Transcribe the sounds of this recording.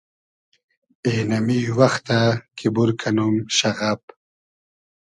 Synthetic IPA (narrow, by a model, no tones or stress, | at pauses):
enamiwaxt̪akʰibuɾkʰanumʃaɣap